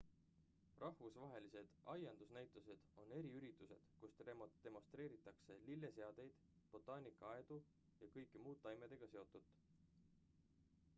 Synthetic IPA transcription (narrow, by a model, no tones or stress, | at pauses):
rʔɑhvusvɑɦe̞lise̞d̪̥ʔɑjɑnd̪̥usnæjt̪ːˑuse̞d̪̥o̞nːe̞ɾiyɾit̪ːˑuse̞̰d̪̥kust̪emd̪̥e̞mo̞st̪ɾe̞ːɾit̪ːˑɑkse̞lilːe̞se̞ɑd̪̥e̞jd̪̥ | b̥o̞t̪ːˑɑːnʲikːˑɑɑe̞d̪̥u | jɑkɤjkːˑimuːt̪ˑːɑjmed̪̥e̞ɡ̥ɑse̞o̞t̪ːˑud̪̥